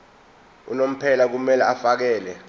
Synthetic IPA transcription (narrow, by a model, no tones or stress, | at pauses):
ṵnom̩pʰɛlak̬umɛlaafak̬ɛːlɛ